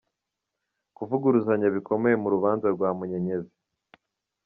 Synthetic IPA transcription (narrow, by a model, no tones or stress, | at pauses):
kuvuɡuɾuzaɲaβiko̞me̞jemuɾuβaːnzaɾɡwaːmuɲe̞ɲe̞zi̥